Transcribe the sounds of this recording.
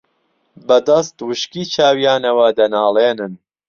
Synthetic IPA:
bɐd̪ɐst̪wɨʃkiːt͡ʃʰaːwijaːnɐwɐd̪ɐnaːleːnɨn

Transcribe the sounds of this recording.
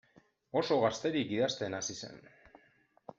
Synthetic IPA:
o̞so̞ɣast̪e̞ɾikɡiðast̪e̞nasise̞̰n

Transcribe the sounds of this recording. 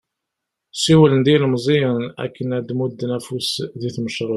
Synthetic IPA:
siwələnd̪ilmzˤiənæ̰kːənæd̪mud̪ːnæfusðiθməʃɾˤo

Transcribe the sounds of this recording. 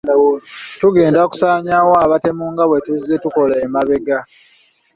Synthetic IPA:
tuɡe̞ːndaku̥saːɲawoaβate̞muːŋɡaβwe̞tuzːe̞tuko̞laːmaβe̞ɡa

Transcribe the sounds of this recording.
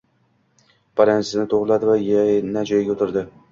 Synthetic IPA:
b̥aɾanzɪznɪt̪ʰoʁlˠad̪ɪvajanad͡ʒajɪɡʲaot̪ʰɪɾd̪ɪ

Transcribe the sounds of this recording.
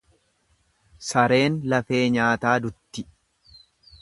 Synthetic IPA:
sɐɾe̞ːnlɐfe̞ːɲaːt̪aːd̪ʊt̪ːɪ

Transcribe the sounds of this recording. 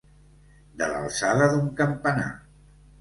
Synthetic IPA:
d̪əla̰lˠsaðəðuŋkəmpəna̰

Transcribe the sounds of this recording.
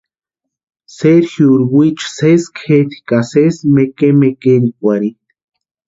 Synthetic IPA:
seɾxjuɾwit͡ʃseskxeɾi̥kasesmekemekeɾikʷaɾi

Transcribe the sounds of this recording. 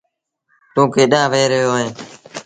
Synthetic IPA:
t̪õːkeːɗãːʋeːɾəɦjoːɦẽː

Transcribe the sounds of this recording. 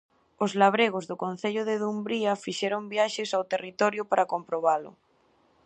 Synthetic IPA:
ozlaβ̞ɾeɣ̞ozðʊkon̟θeʎʊðeðumbɾiafiʃɛɾombjaʃɪsawt̪erit̪ɔɾjʊpaɾakompɾoβ̞alʊ̰

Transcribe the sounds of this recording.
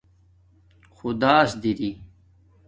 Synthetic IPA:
xud̪aːsd̪iɾi

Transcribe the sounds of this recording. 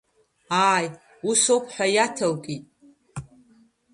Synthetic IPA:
aːj | usowpʰħʷᶣajatʰawkʼitʼ

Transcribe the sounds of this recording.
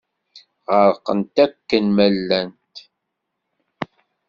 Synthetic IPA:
ʁəɾqənt̪ækːənmælːænt̪

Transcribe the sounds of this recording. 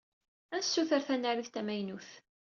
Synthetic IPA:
ænsːuθəɾθænːaɾiθt̪æmæjnuθ

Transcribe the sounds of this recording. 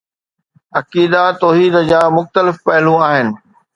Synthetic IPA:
ɐkiːd̪at̪ɔːɦiːd̪d͡ʑaːmʊxt̪əlɪfpɐɦɪlũaːɦɪnɪ̆

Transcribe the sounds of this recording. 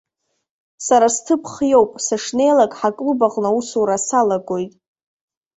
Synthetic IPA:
saɾastʰɨpʰχjo̞wpʼsaʂne̞jlakʼħakʼlbaqʼnausuɾasalaɡʷo̞jtʼ

